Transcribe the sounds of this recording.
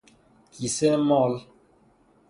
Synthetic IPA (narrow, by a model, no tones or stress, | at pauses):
kisɛmɔl